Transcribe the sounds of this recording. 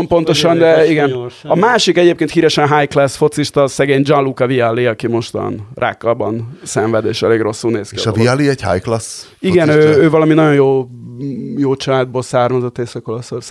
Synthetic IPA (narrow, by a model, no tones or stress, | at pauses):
mpo̞nt̪o̞ʃɒnd̪ɛiɡɛnɒmaːʃikɛɟeːp̚keːnt̪hiːɾɛʃɛnɦajklɛsfo̞t̪siʃt̪ɒsɛɡeːɲd͡ʒɒnlukɒvialːiɒkimo̞ʃt̪ɒ̰nrʔa̰ːkːɒbɒnsɛɱvɛd̪eːʃɛleːɡro̞sːulneːskḭʃɒvialiɛcha̰jklas | iɡɛnøːøːvɒlɒminɒɟo̞njoː | joːt͡ʃɒlaːd̪̚boːlsaːrmɒzo̞t̪ːeːsɒko̞losors